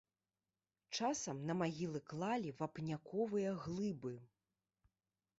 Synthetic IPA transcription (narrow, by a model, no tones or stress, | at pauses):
t͡ʂasɐmnɐmaɣʲilˠɨklˠalʲivɐpnʲakɔvɨjɐɣlˠɨbɨ